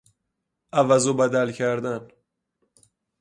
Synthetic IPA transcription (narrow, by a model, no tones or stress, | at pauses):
ʔævæzobæd̪ælcʰæɾd̪æn